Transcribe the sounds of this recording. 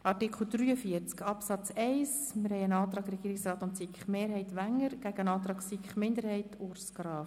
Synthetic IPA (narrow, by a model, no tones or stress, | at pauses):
ʔɑrtikʰl̩ˠd̪̥ɾyːəfiəɾt͡skɑpsɑt͡sɛɪsmɪɾhɛɪənɑːt̪ɾɑːɡrɛɡiːɾɪksrɑːt̪ʊnsikχmeːɾɦɛɪt̪ʋæŋːəɾɡ̥æɡənɑːt̪ɾɑːksikχmɪnd̪əɾhɛɪtʰʊɾsɡɾɑː